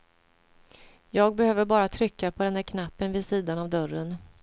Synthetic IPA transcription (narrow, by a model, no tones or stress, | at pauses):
jɑːɡ̚bɛhøːvəɾbɑːɾat̪ʰɾʏkːapʰɔd̪ɛnd̪æɾkʰnapːənvɪsiːd̪anavd̪œrən